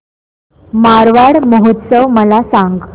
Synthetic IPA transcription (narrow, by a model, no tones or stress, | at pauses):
maɾʋaɽməɦot̪səʋməlasaŋɡ